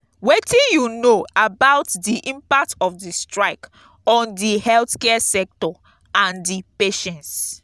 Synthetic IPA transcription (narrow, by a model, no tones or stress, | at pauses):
wetĩnjunoabaʊtdiʔĩmpak̚tɔfdistɹaɪk | ɔ̃ndihɛlθkɛsɛk̚tɔ | ãndipeʃɛ̃ns